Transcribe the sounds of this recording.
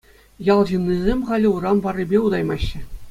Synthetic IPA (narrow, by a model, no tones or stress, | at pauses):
jɑlˠʑɯnːizʲemʲχɑlʲɘ̆urɑnʋɑrʲːibʲeud̪ɑjmɑɕːɘ̆